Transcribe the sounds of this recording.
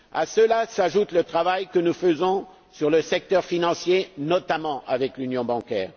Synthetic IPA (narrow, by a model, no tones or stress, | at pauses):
a̰səlasaʒut̪lət̪χavajkənufəzɔ̃ | syʁləsɛk̚t̪œʁfinɑ̃sjenɔt̪amɑ̃ʔavɛklynjɔ̃bɑ̃kʲɛːʁ